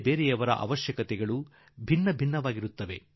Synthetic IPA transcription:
beːɾɛjɐʋɐɾɐ̰ʔɐ̰ʋɐʃjɐkɐt̪ɛɡɐɭu | bʱinːɐbʱinːɐʋaːɡiɾut̪ːɐʋe̞̰

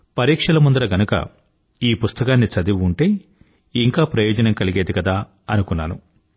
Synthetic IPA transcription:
pɐɾiːkʂɐlɐmund̪ɐɾɐɡɐnukɐ̰ | iːpust̪ɐkaːnːit͡ʃɐd̪iʋuɳʈeː | iŋkaːpɾɐjɔːd͡ʒɐnɐmkɐliɡeːd̪ikɐd̪aː | ɐnukunːaːnu

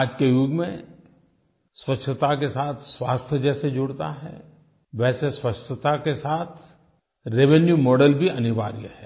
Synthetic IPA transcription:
aːd͡ʒkejuːɡmẽ | swɐʃʰət̪akesaːt̪ʰswaːst̪ʰjəd͡ʒɛːsed͡ʒʊɽt̪a̰ɦɛ̰ː | ʋɛːseswɐʃət̪akesaːt̪ʰ | ɾeʋenjumɔːɖəlbʱiɐnɪʋa̰ːɾjə̰hɛː

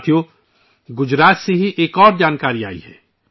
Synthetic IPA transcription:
t̪ʰijo | ɡʊd͡ʒɾaːt̪seɦiʔeːkɔːɾd͡ʒaːnkaːɾia̰ːḭɦɛː

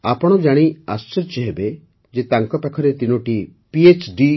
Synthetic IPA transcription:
apɔɽ̃ɔd͡ʒaɽ̃iast͡ʃɔɾt͡ʃeɦebe | d͡ʒet̪aŋkɔpakʰɔɾet̪inɔʈi | piet͡ʃɖi

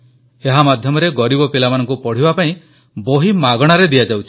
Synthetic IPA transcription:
eɦamad̪ʱjɔmɔɾeɡɔɾibɔpelamanɔ̃ŋkupɔɽ̤ibapaĩ | boɦimaɡɔɽ̃aɾed̪iad͡ʒawt͡ʃʰi̥

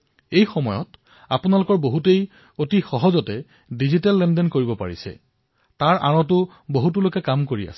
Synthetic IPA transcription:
ejxɔmɔjɔt | apʊnalʊkɔɹboɦutej | otixɔɦɔzɔtɛ | dizitalːɛndɛnkoɹibɔpa̰ɹḭsɛ̰ | taɹʔa̰ɹɔt̬ʊ | boɦutulokɛkamkoɹia̰sɛ

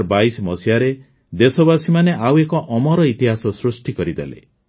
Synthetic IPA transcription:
ɾbajsmɔsiaɾe | d̪esɔbasimaneʔawekɔʔɔmɔɾɔit̪iɦasɔsɾusʈikɔɾid̪ḛlḛ

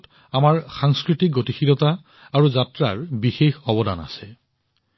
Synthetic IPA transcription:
t | amaɹxaŋskɹitik̚ɡotixilɔta | aɹuzatɹa̰ɹbixexɔbɔda̰na̰sɛ

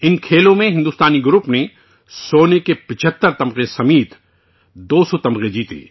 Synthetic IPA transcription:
ɪnkʰeːlõmẽɦɪ̃nd̪uːst̪aːniɡʊɾupne | soːnekepɪt͡ʃʰət̪ːəɾt̪ɐ̃mqesɐmiːt̪ | d̪oːsɔt̪ɐmʁed͡ʒiːt̪ḛː

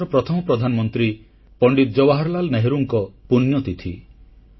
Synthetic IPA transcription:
ɾɔpɾɔt̪ʰɔmɔpɾɔd̪ʱanɔmɔnt̪ɾi | pɔɳɖit̪̚d͡ʒɔwaɦaɾlalneɦeɾuŋkɔpunjɔt̪it̪ʰi

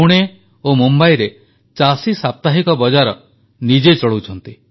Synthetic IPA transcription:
uɽ̃e | omumbajɾe | t͡ʃasisap̚t̪aɦikɔbɔd͡ʒaɾɔ | nid͡ʒet͡ʃɔɭuwt͡ʃʰɔnt̪i

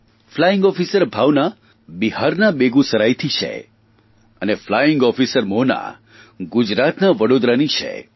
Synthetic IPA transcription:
flajɪŋɡɔfisəɾbʱaʋna | biɦaɾnabeɡũsəɾajt̪ʰit͡ʃʰḛ | ə̰neflajiŋɡɔfisəɾmona̰ | ɡud͡ʒɾat̪naʋəɽod̪ɾanit͡ʃʰḛ

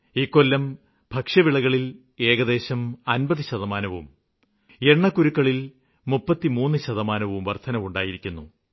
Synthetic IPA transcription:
iːkːo̞lːɐm | bʱɐkʂɐʋiɭɐɣɐɭil | e̞ːɣɐðe̞ːɕɐmɐnbɐðɨɕɐðɐmaːnɐʋum | e̞ɳːɐkːuɾukːɐɭil | mupːɐt̪ːimuːnːɨɕɐðɐmaːnɐʋumʋɐrt̪ʰɐnɐmuɳɖaːjiɾikʲːunːu

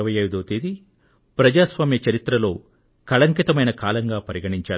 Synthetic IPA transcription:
ɐʋɐjɐjd̪uːt̪eːd̪i | pɾɐd͡ʒaːsʋaːmjɐt͡ʃɐɾit̪ɾɐlo̞ː | kɐɭɐŋkit̪ɐmɐjnɐkaːlɐŋɡaːpɐɾiɡɐɳiɲt͡ʃaː

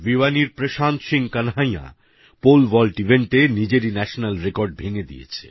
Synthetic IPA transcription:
viwaniɾpɾeʃant̪ʃiŋkanɦaj̃a̰ | polʋɔlʈibʱeɳʈenid͡ʑeɾinɛʃonalɾekoɾɖ̚bʱeŋed̪ḭjḛt͡ɕʰḛ

